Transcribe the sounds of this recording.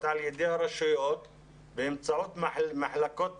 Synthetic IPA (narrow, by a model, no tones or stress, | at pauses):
t̪ʕaljed̪ehaɾaʃujot̪ | behemt͡saʕot̪maħlakot̪